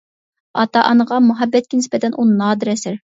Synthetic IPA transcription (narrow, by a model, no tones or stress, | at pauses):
ɑt̪ɑʔɑnəʁɑmuɦɑbːɛt̪̚kʲinɪspɛt̪ʰɛnʔunnɑːd̪ɨɾɛsɪɾ